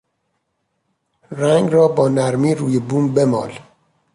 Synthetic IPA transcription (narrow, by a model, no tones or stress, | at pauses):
ɾæŋɡɾɒːbɒːnæɾmiːɾuːjebuːmbemɒ̰ːl